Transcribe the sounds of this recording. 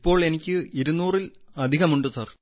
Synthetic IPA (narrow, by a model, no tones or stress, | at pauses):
pːo̞ːɭe̞nikʲːɨiɾunːuːrilɐd̪ʱiɣɐmuɳɖusɐr